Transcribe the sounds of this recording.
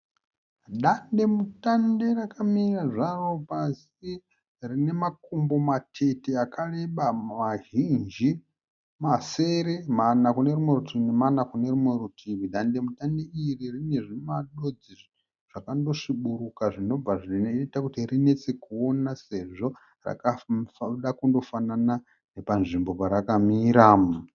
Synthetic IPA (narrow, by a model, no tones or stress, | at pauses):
ɗande̞mutande̞rakamiraʐaro̞pas | i | rine̞makumbo̞matʰe̞teakare̞ɓamaɦind͡ʒi | mase̞ɾemanakunerimwe̞rutinemanakune̞rimwerutʰiβiɗande̞mutandeiririne̞ʐinemaɗo̞d͡ziʐ | ʐ̥akando̞ʂiɓuɾukaʐino̞b͡vaʐinetakutirine̞t͡se̞kuo̞nase̞ʐo̞ | ra̰kaɗakundo̞fanana | ne̞panʐimbo̞paɾakamiːɾam